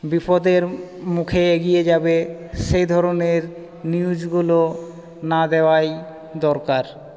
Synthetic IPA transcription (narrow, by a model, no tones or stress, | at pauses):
bipod̪eɾmukʰeeɡijed͡ʑabeʃejd̪ʱɔɾoneɾ | niud͡ʑɡulo | nad̪eoaj | d̪ɔɾkaɾ